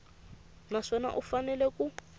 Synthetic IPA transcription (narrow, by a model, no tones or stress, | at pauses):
naʂɔna̰ʔufanɛlɛku